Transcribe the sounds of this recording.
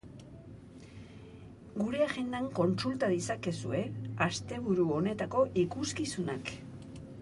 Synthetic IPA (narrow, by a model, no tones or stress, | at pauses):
ɡuɾe̞aʝe̞nd̪aŋko̞nsult̪aðisake̞sue̞ast̪e̞β̞uɾuo̞ne̞t̪ako̞ʔikuskisunak